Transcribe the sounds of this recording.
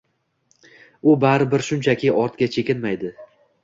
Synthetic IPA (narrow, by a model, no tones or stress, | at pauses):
ʊbaɾɪbɪɾʃʊnt͡ʃʰakʲʰɪʔɒɾt̪ɡʲat͡ʃʰe̞kʲɪnmajd̪ɪ